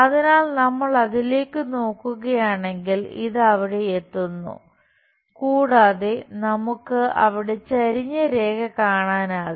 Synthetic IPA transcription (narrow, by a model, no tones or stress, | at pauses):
ɐðinaːlnɐmːɐɭɐðile̞ːkːɨno̞ːkːuɣɐjaːɳe̞ŋɡilḭðɨɐʋiɽe̞et̪ːunːṵ | kuːɽaːðenɐmukːɨɐʋiɽe̞t͡ɕɐɾiɲːɐɾe̞ːɡɐkaːɳaːnaːðɨ